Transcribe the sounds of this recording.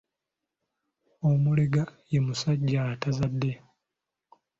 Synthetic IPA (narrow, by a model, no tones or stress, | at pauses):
omuleɡajemusaɟːaːtazadːe̞